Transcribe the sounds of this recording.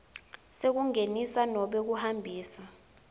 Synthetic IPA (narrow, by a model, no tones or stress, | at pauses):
sek̬uŋenisanɔɓɛk̬uhambʱiːsa